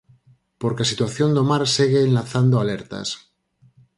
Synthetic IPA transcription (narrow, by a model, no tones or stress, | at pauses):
poɾkeasit̪waθjond̪omaɾseɣeːnlaθand̪oaleɾt̪a̰s